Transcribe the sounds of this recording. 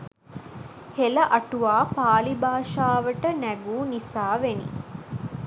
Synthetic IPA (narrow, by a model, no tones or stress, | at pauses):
helɐʔɐʈuʋaːpaːlibʱaːʃaːʋəʈənæɡuːnisaːʋenḭ